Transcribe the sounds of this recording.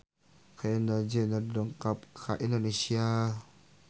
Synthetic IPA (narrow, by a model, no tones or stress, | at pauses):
kʰaenad͡ʒenadoŋkap̚kʰaʔindonesia